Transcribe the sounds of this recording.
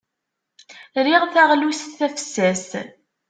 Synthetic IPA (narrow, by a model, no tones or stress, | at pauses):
ɾiʁθæʁlustθæfə̥sːæs